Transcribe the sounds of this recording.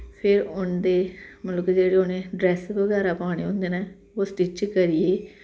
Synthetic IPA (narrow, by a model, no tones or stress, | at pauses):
pʰɪɾʊnd̪eːmələkd͡ʒeːɽeːʊnẽːɖɾɛːsʋəɡɛːɾaːpãːɽ̃eːõnd̪eːneː | oːsʈɪt͡ʃkəɾieː